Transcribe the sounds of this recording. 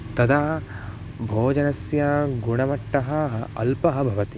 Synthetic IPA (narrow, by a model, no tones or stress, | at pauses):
t̪ɐd̪a | bʱoːd͡ʒɐnɐsjɐɡuɳɐmɐʈːɐɦɐɐ̰lpɐɦɐ̆bʱɐʋɐt̪i